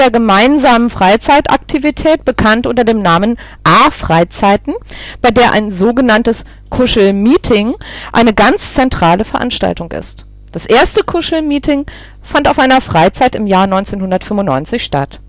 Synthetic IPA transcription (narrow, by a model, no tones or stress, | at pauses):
eːɐɡəmaɪnzaːmənfʁ̥aɪt͡saɪtʔa̰ktʰivitʰɛːt̚b̥əkʰantʔʊntɐdeːmnaːmən | ʔaɐfʁ̥aɪt͡saɪtn̩b̥aɪdeːɐʔa̰ɪnzoːɡənantəs | kʰʊʃl̩miːtʰɪŋʔa̰ɪnəɡant͡st͡sɛntʁ̥aːləfɛɐʔa̰nʃta̰ltʊŋʔɪ̰st | d̥asʔeːɐstəkʰʊʃl̩miːtʰɪŋ | fantaʊfʔaɪnɐfʁ̥aɪt͡saɪtɪmjaːɐnɔʏnt͡seːnhʊndɐtfʏmʊntnɔ̰ʏnt͡sɪçʃta̰t